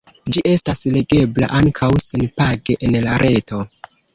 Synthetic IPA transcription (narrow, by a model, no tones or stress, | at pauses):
d͡ʒiʔe̞stasle̞ɡe̞bla̰ʔaŋkʰawsenpaɡe̞ʔenlaɾʔe̞to̞